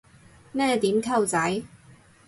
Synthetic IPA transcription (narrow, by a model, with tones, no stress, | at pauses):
nɛː˥t̪iː˨˥mkʰɐ˧wt͡sɐ˨˥j